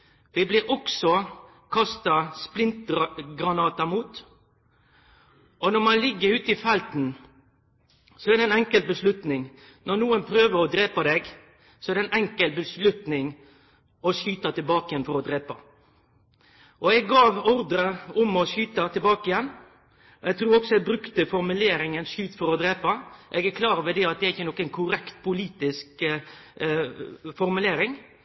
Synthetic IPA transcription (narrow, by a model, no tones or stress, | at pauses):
ʋɪblɪɾʔɔksɔ | kʰɑst̪ɑsplɪnt̪̚ɡɾɑnɑːt̪ɑmuːt̪ | ɔnɔɾmɑnlɪɡːəɾʉːt̪ɪfɛlt̪n | sɔɛæːɾd̪ɛnɛŋkəlt̪bəslʉt̪nɪŋ | nɔɾnuːənpʰɾøːʋəɾɔd̪ɾeːpɑd̪ɛɡ | sɔɛːɾd̪ɛnɛŋkəlbəslʉt̪nɪŋ | ɔʃyːt̪ɑt̪ɪlbɑːkəɪjɛnfɔɾɔd̪ɾeːpɑ | ʔɔɛɡːɑːʋɔɾd̪ɾəʊmɔʃyːt̪ɑt̪ʰɪlbɑːkəɪjɛnː | ɔɛɡt̪ɾuːɾɔksɔɛɡ̚bɾʉkt̪əfɔɾmʉleːɾɪŋənʃʉːt̪fɔɾɔd̪ɾeːpɑʔɛɡæɾkʰlɑːɾʋɛd̪ɛɑt̪d̪ɛæɾɪçːənɔkːænkʰʊɾɛkt̪pʰʊliːt̪ɪsk | fɔɾmʉleːɾɪŋ